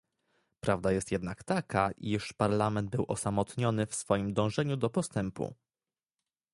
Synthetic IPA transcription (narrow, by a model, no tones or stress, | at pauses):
pɾavd̪ajɛst̪jɛd̪nakt̪akʰaʔiʂpaɾlamɛnd̪̚bɘwʔɔsamɔt̪ɲɔnɘfsfɔjimd̪ɔ̃w̃ʐɛɲud̪ɔpɔst̪ɛmpṵ